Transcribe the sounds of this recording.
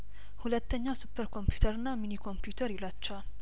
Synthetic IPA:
hulət̪ʰːəɲːasupʰːəɾkʰo̞mpju̥t̪ʰəɾɨnːaminikʰo̞mpjut̪ʰəɾilat͡ʃːɛwal

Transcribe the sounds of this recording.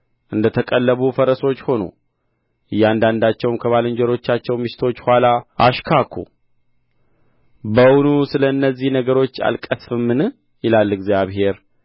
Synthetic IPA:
ʔɨnd̪ət̪ʰəkʼəlːəβufəɾəso̞t͡ʃːho̞nṵ | ɨjːand̪and̪at͡ʃːɛwmkʰəβalɨɲd͡ʒəɾo̞t͡ʃːat͡ʃːɛwmɨʃɪ̥t̪ʰo̞t͡ʃːhʷwalaʔaʃkʰakʰṵ | bəwnusɨləɨnːəzːihnəɡəɾo̞t͡ʃːa̰lkʼəsfɨmːɨn | jɪlalːɨɡzijaβɦe̞ɾ

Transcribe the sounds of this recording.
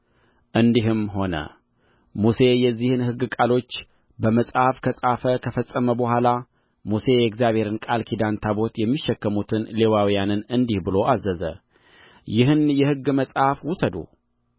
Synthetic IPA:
ʔɨnd̪iɦɨmɦo̞nə̰ | muse̞jɛzːihɨnhɨɡːɨkʼalo̞t͡ʃː | bəməsʼhafkʰəsʼafəkʰəfəsʼːəməbəhʷala | muse̞jɛkzjaβhe̞ɾɨnkʼalkʰid̪ant̪ʰabo̞t̪jɛmːiʃːɛkːəmut̪ʰɨnle̞wawijanɨnɨnd̪ihbɨlo̞ʔazːəzə̰ | jɪɦɨnjɛhɨɡːməsʼafwʊsəd̪ṵ

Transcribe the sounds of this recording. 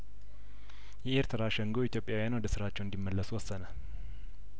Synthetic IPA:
jɛʔeɾt̪ʰɨɾaʃɛŋɡoit̪ʰjo̞pʼjawijanwɔd̪əsɨɾat͡ʃːɛwɨnd̪imːəlːəswɔsːənə

